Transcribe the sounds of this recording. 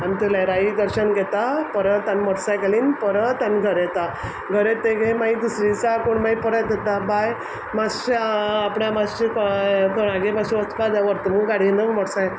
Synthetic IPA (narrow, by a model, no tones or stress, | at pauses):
amit̪əlaɾaid̪əɾɕənɡʱɛt̪apəɾət̪anmɔɽsajkaliːnpəɾət̪anɡʱəɾɛt̪a | ɡʱəɾet̪ːeɡemaid̪usɾit͡sakoɳmaipəɾət̪̚d̪ɛt̪abaj | masɕapɳamasikt̪əɽ̃ãɡebaɕuʋət͡skad̪aʋəɾt̪əmuɡaɽ̤inəmɔɽsãj